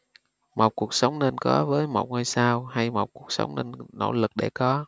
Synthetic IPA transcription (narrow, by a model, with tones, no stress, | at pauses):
ma˨˩k͡p̚ku˨˩ək̚sə˨˦wŋ͡mne˧nkɔ˨˦vəː˨˦jmə̰˧˩w̚ŋəː˧jsaː˧wha˧jma˨˩w̚ku˨˩ək̚sə̰˨˦wŋ͡mne˧nno̰˧˩˨lɨ˨˩k̚ɗe˧˩kɔ˨˦